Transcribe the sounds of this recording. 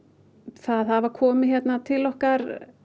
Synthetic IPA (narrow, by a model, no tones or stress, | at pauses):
θaðhavakʰɔːmɪçjɛt̪nat̪ʰɪlɔhkaɾ̥